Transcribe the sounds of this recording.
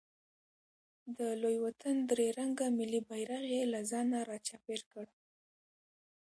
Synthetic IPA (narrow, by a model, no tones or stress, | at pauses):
d̪əlojwat̪ənd̪ɾeɾaŋɡamɪlibajɾaɣelazɑnaɾɑt͡ʃɑpeɾkəɽ